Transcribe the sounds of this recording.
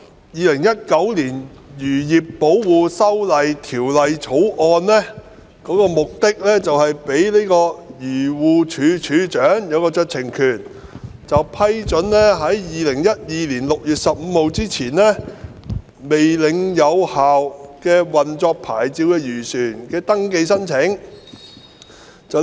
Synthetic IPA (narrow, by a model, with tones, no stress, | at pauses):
jiː˨˧lɪ˨˩ŋjɐ˥t̚kɐ˨˥wliː˨˩njyː˨˩jiː˨pːo˨˥wwuː˨sɐ˥wlɐ˨jt̪ʰiː˨˩wlɐ˨jt͡sʰo˨˥wʔɔː˧nlɛː˥ | kɔː˨˥kɔː˧mʊ˨k̚t̪ɪ˥k̚lɛː˥t͡sɐ˨whɐ˨jpe˨˥jli˥jkɔː˧jyː˨˩wuː˨t͡ʃʰyː˨˧˥t͡ʃʰyː˨˧t͡ʃœː˨˥ŋjɐ˨˧wkɔː˧t͡ʃœː˧k̚t͡sʰɪ˨˩ŋkʰyː˨˩n | t͡sɐ˨wpʰɐ˥jt͡sɵ˨˥nlɛː˥ɦɐ˨˥jjiː˨lɪ˨˩ŋjɐ˥t̚jiː˨˧liː˨˩nlʊ˨k̚jyː˨t̚sɐ˨p̚m̩ː˨˧ho˨˧wt͡siː˥t͡sʰiː˨˩nlɛː˥ | me˨jlɪ˨˧ŋjɐ˨˧whaː˨wkɛː˧wɐ˨nt͡sɔː˧k̚pʰaː˨˩jt͡siː˨˧wkɛː˧jyː˨˩syː˨˩nkɛː˧t̪ɐ˥ŋke˧jsɐ˥nt͡sʰɪ˨˥ŋ | t͡sɐ˨